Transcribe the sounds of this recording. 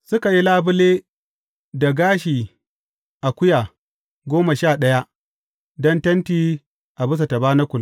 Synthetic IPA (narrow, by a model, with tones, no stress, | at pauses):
sʊ˦ka˨ji˦laː˦bʊ˦leː˦ | da˨ɡaː˦ʃiː˨ | ʔa˨kʷʊ˦jaː˨ | ɡʷoː˦ma˨ʃaː˦˨ɗɐ˦ja˦ʔ | dɐ˦ntɐ˦ntiː˦ | ʔa˨bʊ˦s̬a˨ta˨baː˦na˦kʷʊ˨l